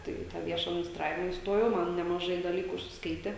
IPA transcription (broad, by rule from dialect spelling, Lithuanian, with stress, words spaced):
ˈtɐɪ ɪ tɑː ˈʋʲiɛʃɐ ɐdʲmʲɪnʲɪsˈtrɑːʋʲɪmɐ ɪsˈtoːjɛʊ ˈmɐn nʲɛmɐˈʒɐɪ dɐˈlʲiːkʊ ʊʃʲsʲɪsˈkɐɪtʲeː